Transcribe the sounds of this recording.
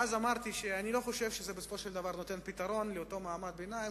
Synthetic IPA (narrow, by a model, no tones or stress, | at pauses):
azamaʁt̪iʃeanilo̞χo̞ʃevʃezebesofoʃeld̪avaʁno̞t̪e̞npit̪aʁo̞nleoto̞maːmad̪̚benaim